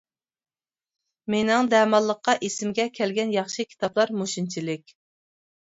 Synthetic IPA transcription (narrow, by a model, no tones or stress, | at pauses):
menɪŋd̪ɛmɑlˠːəqːɑʔesɪmɡʲɛkʲʰɛlɡʲɛnjɑχʃɨkʲʰi̥t̪ɑplˠɑɾmoʃint͡ʃʰilɪkʲ